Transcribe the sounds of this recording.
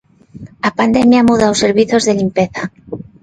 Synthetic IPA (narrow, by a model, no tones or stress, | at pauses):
apand̪emjamuðawse̞ɾβiθozðe̞limpeθa